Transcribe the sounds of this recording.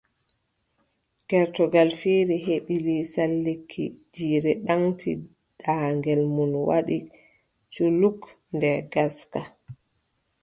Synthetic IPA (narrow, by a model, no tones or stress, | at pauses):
ɡ̥ɛɾtɔɡalfiɾiɦeɓilisalːikʰːḭd͡ʒiːɾɛɗaŋtʰḭ | d̥aːŋɡɛlmunwa̰ɗi | t͡ʃuluk | ndɛɡaska